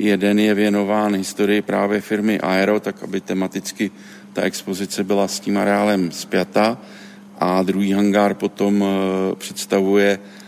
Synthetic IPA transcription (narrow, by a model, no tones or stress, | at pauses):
jɛdɛnjɛvjɛno̞vaːnɦɪst̪o̞ɾɪjɪpɾaːvjɛfɪɾmɪʔaɛɾo̞t̪akʔabɪt̪ɛmat̪ɪt͡skɪ | t̪aʔɛkspo̞zɪt͡sɛbɪlasciːmaɾɛaːlɛmspjat̪a | ʔad̪ɾuɦiːɦaŋɡaɾpo̞t̪o̞mpr̝̥ɛt̪st̪avujɛ